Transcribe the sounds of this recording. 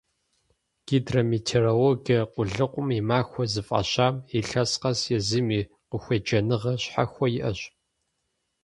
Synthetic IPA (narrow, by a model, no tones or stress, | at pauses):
ɡ̥iːdrɐmitʰerowoɡɐqʷʊɮɨqʷʊmimaːxʷɔzɨfʼɐ̰ɕaːmiɬɐsqɐsjɛzɨmiː | qəxʷed͡ʒɐnɨʁɐɕħa̰xʷɔjɪʔɐɕ